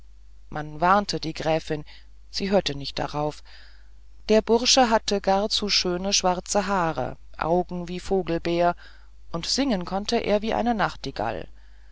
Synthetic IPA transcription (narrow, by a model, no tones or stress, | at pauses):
mʔanvaʁntʰədiːɡʁɛːfɪn | z̥iːɦøːɐtənɪçt̚d̥a̰ʁaʊf | d̥eːɐbʊʁʃəɦatəɡaɐt͡suːʃøːnəʃv̥aʁt͡səɦaːʁ̞ə̰ʔa̰ʊɡŋ̩viːfoːɡl̩beːɐ | ʔʊntz̥ɪŋənkʰɔntəʔḛːɐviːʔa̰ɪnənaχtiɡ̥a̰l